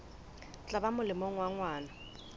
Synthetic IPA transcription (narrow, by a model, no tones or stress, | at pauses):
t͡ɬʼabamʊlɪmɔŋ̩waŋwaːna